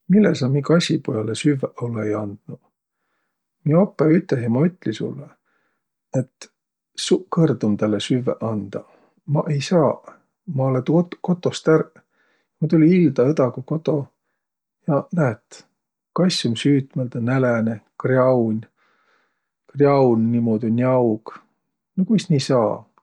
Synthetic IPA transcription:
milːesɑmikɑsʲipojɑlesyveʔolːeejɑnd̪̥nu | miopːˑeyt̪ːˑlesimɑyt̪ːˑlisṵlːe | et̪ | sukɤrd̪umt̪ælːesyvːeʔɑnd̪̥ɑ | mɑʔejsɑː | mɑolet̪ko̞t̪ːˑo̞st̪ær | jɑmɑt̪ulʲiild̪ɑed̪ɑɡuko̞t̪o̞ | jɑnæet̪ː | kɑjsʲːumsyːt̪meld̪ɑnælenekrjɑwnʲ | krjɑwnːimoːd̪̥ʲunʲiɑwɡ̥ | nokujsnʲisɑː

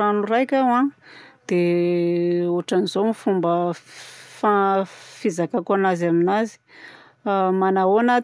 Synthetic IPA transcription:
anuɾajkʲawãd̪̥e | oaʈ͡ʂanizomifumbə | fafizakakanazaminazi̥ | manaonat̪

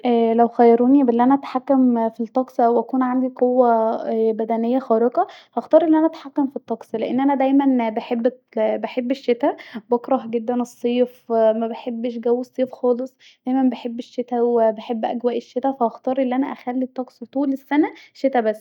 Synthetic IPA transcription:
ʔælæwxæjːɑɾuːnibelːiʔænæʔæt̪ħakːæmfilt̪ˤːɑksˤwʔækuːnʕand̪iqowːæbæd̪ænejːæxɑːɾeqɑhɑxt̪ˤɑːɾˤʔenːʔænæʔæt̪ħakːæmfit̪ˤːɑksleʔḛnːʔænæd̪æjmænbeħebː | beħebːeʃːet̪æbɑkɾˤɑhɡed̪ːænesˤːiːfmæbeħebːʃɡæwːesˤːiːfxɑːlesˤ | d̪̥æjmænbeħebːeʃːet̪æwebeħebːʔæ̰ɡwæːʔeʃːet̪æfæhɑxt̪ˤɑːɾˤʔelːiʔænæʔæxælːit̪ˤːɑksˤt̪ˤuːlesːænæʃet̪æbæsː

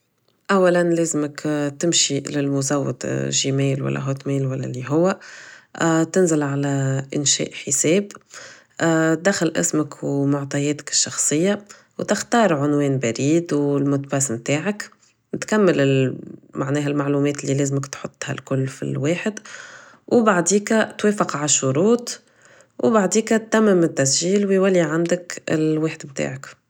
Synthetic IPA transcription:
ʔawːalanlɛːzɪməkt̪ɪmʃilɪlmʊzawːət̪ʒimɛːlwæ̰lːʔæ̰ɦoːt̪mɛːlwælːæ̰liɦʊwːæ | t̪ɪnzɪlʕalæʔɪnʃɛ̰ːʔħəsɛːb | d̪axːalʔɪ̰sməkʰwmʊʕt̪ˤɑjɛːt̪ɪ̥kɪ̥ʃːɑxsˤɨjːa | wt̪ɪxt̪ɑːɾˤʕʊnwɛːnbaɾiːd̪wɪlmʊt̪basmt̪aːʕak | nɪt̪kamːəlɪlmaʕnɛːɦælmaʕluːmɛːt̪ɪlːiːlɛːzməkt̪ħot̪ˤːha̰lkʊlːfḭlweːħɪd̪ | wbaʕd̪iːkæt̪weːfɪqʕaʃːʊɾuːt̪ | wbaʕd̪iːkt̪ːæmːɪmɪt̪ːæsʒiːlwjwælːiʕand̪əkɪ̰lweːħd̪mt̪a̰ːʕak

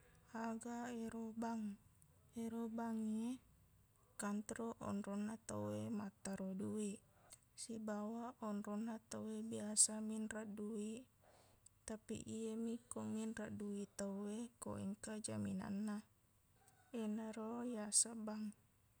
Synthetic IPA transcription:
aɡaeɾobaŋ | eɾobaŋe | kant̪ɾoʔɔ̰nrɔnːat̪awemat̪ːaɾodui | sibawaʔɔnrɔnːat̪awebiasaminradui | t̪apḭʔiemikominraʔduit̪aweko̰ḭŋkad͡ʒamina̰nːa | enaɾojasabaŋ

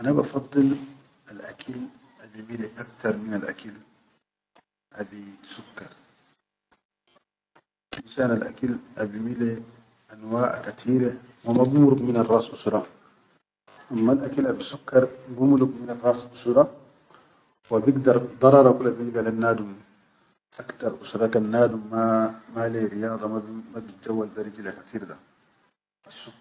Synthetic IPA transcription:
ʔanabɑ̰fɑd̪ˤːɨl | alʔakʰal | ʔabimileʔakt̪ɑɾˤminalʔa̰kal | ʔabisukːɑɾˤ | nʃaʔnalʔa̰kalʔabimile | ʔanwaːʔkat̪ʰiːɾa | wamabumɾukmɪnɑrˤːɑːsʔusɾˤɑ | ʔamːalʔakilʔabisukːɑɾˤbumlukminarˤɑːsʔusɾˤɑ | wabiɡd̪ɑɾˤd̪ˤɑɾˤɑɾˤɑkulːabilɡalanːaːd̪um | ʔakt̪ɑɾˤʔusɾˤɑkanːaːd̪umːamaleɾijɑːd̪ˤɑmamabit̪̚d͡ʒawːalbaɾid͡ʒilakat̪ʰiːɾd̪a | ʔasːukː

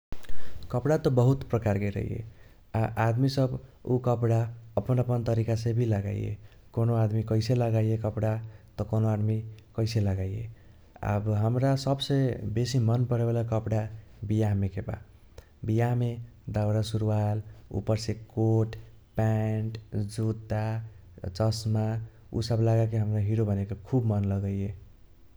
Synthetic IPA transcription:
kəpɽat̪ɔbəɦut̪pɾəkaɾkeɾə̰ɦḭjḛ | aʔad̪misəbukəpɽaəpənəpənt̪əɾikasẽbʱiləɡa̰j̰ḛ | konoad̪mikəɪseləɡajekəpɽat̪ɔkonoad̪mikəɪseləɡajjḛ | a̰bɦəmɾasəbsebesimənpəɾbelakəpɽabijaɦmekeba̰ | bijaɦmed̪awɾasuɾuwalṵpəɾsekoʈpɛɳʈd͡ʒut̪ːat͡ʃəsma | ṵsəblaɡak̬eɦəmɾaɦiɾobənekekʰubmənləɡəje

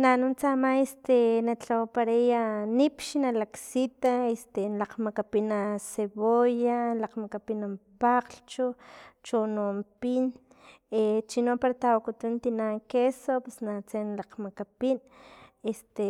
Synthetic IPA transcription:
nanunt͡samaest̪enat͡ɬowpaɾajanipʃinalaksit̪aest̪enlaqmakapinaseβojalaqmakapinampaqɬt͡ʃot͡ʃonompin | et͡ʃinopaɾat̪awakut̪unt̪inaŋkesopesnat͡senlaqmakapin | est̪e

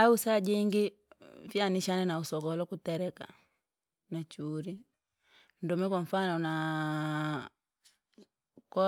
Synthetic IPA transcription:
ausad͡ʒiŋɡi | fjaniʃanɛnausɔkɔlɔkutɛɾɛka̰ | nat͡ʃuɾi | n̩dɔmɛkwaɱ̩fanɔna | kɔ

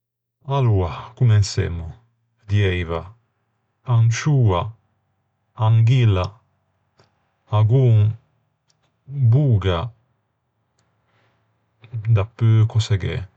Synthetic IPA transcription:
aluakumɛnsɛ̰mu | d̪jɛjva | aŋt͡ʃuːa | aŋɡila | aɡuŋ | buːɡa | d̪apːøkosɛɡɛ̰

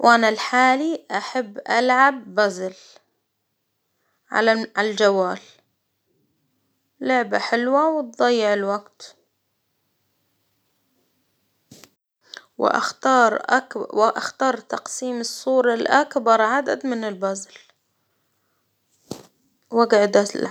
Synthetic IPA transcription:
wʔanalħaːliʔaħabːʔa̰lʕabːazl | ʕa̰aʕad͡ʒawaːl | lʊʕbaħɪlwawɪt̪̚d̪ˤɑjːɪʕɪlwaɡt̪ | wɪ̰ʔa̰xt̪ɑːɾˤʔa̰kʔaxt̪ɑːɾˤt̪ɑqsiːmɨsˤːuːɾˤɑlʔakbɑɾˤʕad̪a̰d̪mɪnɪlbazl | waɡʕd̪a

